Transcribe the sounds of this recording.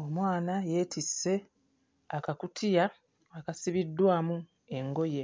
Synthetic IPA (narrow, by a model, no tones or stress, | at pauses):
omwaːnaje̞ːtʰisːe̞ | akakutʰija | akasiβidːwaːmu | e̞ŋɡo̞je̞